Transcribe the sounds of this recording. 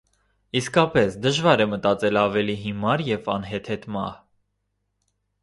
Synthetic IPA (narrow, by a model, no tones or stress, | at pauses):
iskɑpɛsd̪əʒvɑɾɛmət̪ɑt͡sɛlɑvɛliɦimɑɾjɛvɑ̰nɦɛt̪ʰɛt̪mɑ̰h